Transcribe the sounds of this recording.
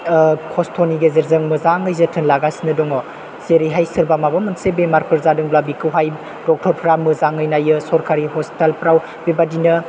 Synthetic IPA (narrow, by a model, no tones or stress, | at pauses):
kʰɔstʰoniɡezeɾzɯŋmɯzaŋɯjzɯtʰɯnlaɡasinɯdɔŋɔ | zeɾiɦajsɯɾbamabamɯnsebemaɾpʰɯɾzadɯŋblabikɯwɦaj | dɔk̚tʰɔɾpʰɾamɯzaŋɯjnajɯsɔɾkʰaɾiɦɔstelpɾaw | bebadinɐ